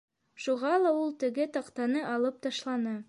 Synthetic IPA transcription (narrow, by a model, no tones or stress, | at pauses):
ʃuʁɑlˠɑulˠt̪ɘ̆ɡɘt̪ɑqt̪ɑnɤʔɑlˠɤp̚t̪ɑʃlˠɑnɤ